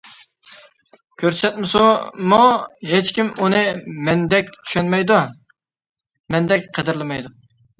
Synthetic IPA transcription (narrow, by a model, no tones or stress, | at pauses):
kʲʰøɾsɛt̪mɪsumuɦet͡ʃkʲimunɨmɛnd̪ɛk̚ʲt̪ʰy̥ʃɛnmɛjd̪u | mɛnd̪ɛk̚ʲqʰəd̪ɪɾlˠɨmɛjd̪ʊq̚